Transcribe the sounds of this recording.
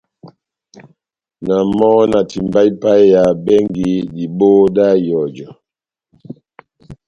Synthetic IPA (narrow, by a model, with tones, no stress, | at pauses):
na˨mɔ˦na˨ti˨m˨ba˦i˦pa˦ja˨bɛ˦ŋɡi˦di˨bo˦da˦˨jɔ˨d͡ʒɔ˨